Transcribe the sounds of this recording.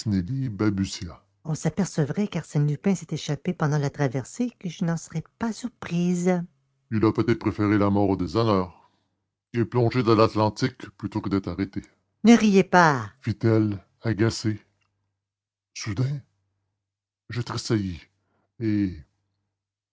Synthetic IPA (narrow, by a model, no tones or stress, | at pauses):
snelibabysja | ɔ̃sapɛʁsəvʁɛkaʁsɛnlypɛ̃sɛt̪eʃapepɑ̃d̪ɑ̃lat̪ʁavɛʁsekəʒənɑ̃səʁɛpasyʁpχiːz | ilapøt̪ɛt̪̚pʁefeʁelamɔʁod̪ezanœːʁ | eplɔ̃ʒed̪ɑ̃lat̪lɑ̃t̪ikplyt̪okəd̪ɛt̪χaʁet̪e | nəʁijepafit̪ɛl | aɡʲase | sud̪ɛ̃ | ʒət̪ʁesaji | e